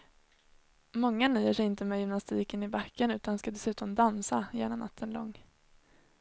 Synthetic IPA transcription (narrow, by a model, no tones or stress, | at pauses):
mɔŋːanyːəʂɛjɪnt̪əmɛːjʏmnast̪iːkənɪbakːənʉ̟ːt̪anskad̪ɛsʉ̟ːt̪ɔmd̪ansajḛːnanʔa̰t̪ʰːənlɔ̰ŋː